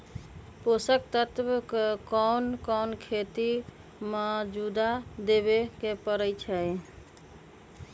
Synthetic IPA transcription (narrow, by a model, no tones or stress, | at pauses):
posəkt̪ət̪ʋkɔnkɔwnkʰet̪i | məd͡ʒud̪ad̪ebekepəɾət͡ʃʰəj